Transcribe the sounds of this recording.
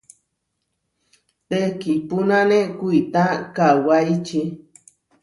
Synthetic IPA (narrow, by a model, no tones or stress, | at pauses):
t̪ekipunanekujt̪akawajt͡ʃi